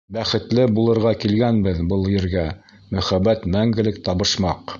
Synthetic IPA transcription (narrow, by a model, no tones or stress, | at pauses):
bæχɘ̆t̪lɘbulˠɤ̆ɾʁɑkilɡænbɘðbɤlˠjɘ̆ɾɡæ | mɵ̆χæbːæt̪mæŋɡɘ̆lɘkt̪ɑβɤ̆ʃmɑq